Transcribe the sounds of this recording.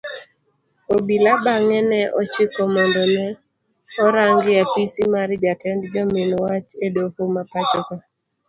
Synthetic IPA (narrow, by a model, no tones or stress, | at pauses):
obilabaŋɛnɛʔɔt͡ʃɪkɔmɔndɔnɛ | ɔɾaŋɡɪapisimaɾd͡ʒatɛndd͡ʒɔmɪnwat͡ʃedokomapat͡ʃɔkɔ